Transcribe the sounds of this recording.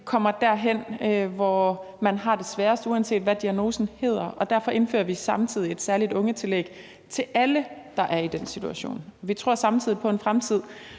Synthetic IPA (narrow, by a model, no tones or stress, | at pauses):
kʰɒ̽m̰ɐd̥æɐ̰ɦen̰øʋɒ | mænɦɑ̈d̥e̝sʋæːɐsd̥uænse̝̰ːd̥ʋæd̥iæno̝ːsn̩he̝ːð̞̰ˠɐʔɒ̽d̥æɐ̰fɒ̽ʔe̝nfø̰ːɐʋisɑ̈mt͡sʰið̰ˠie̝d̥sæɐlid̥ɔ̽ŋət͡sʰe̝leɡ̥ | t͡sʰe̝lʔæləd̥ɑ̈ʔæɐid̥en̰sit͡sʰuæɕo̝̰ːnʋit͡sʰʁo̝ɐ̰sɑ̈mt͡sʰið̞̰ˠipʰɒ̽e̝nfʁamt͡sʰið̞̰ˠ